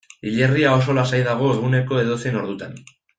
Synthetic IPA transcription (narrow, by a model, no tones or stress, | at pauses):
iʎeriao̞so̞lasajðaɣ̞o̞e̞ɣune̞ko̞e̞ðosieno̞ɾðut̪an